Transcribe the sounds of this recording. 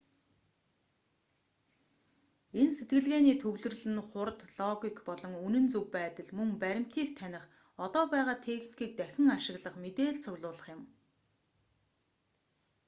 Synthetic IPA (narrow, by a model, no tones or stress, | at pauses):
enset̪̚ɡɘ̆ɮɣeːniːt̪ʰɵɣɮɵ̆rɮɘ̆nχʊrt̪ɮɔɣʲikpɔɮɞ̆ŋunɘ̆nt͡sɵwpæːt̪ə̆ɮmɵŋpæɾʲɪ̆m̥t̪ʰiːkt̪ʰænʲɪ̆χ | ɔt̪ɔːpæːʁaːt̪ʰeːxn̥ɡiːk̚t̪æxʲɪ̆ŋaʃɪ̆ɣɮə̆χmet̪eːɮt͡sʰʊɣɮʊːɮə̆χjɪ̆m